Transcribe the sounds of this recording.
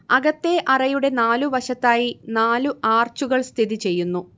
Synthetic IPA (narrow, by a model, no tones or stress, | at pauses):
ɐɣɐt̪ːe̞ʔɐrɐjuɽe̞naːluʋɐʂɐt̪ːaːjinaːluʔaːrt͡ɕuɣɐɭst̪ʰiðit͡ɕe̞jːunːu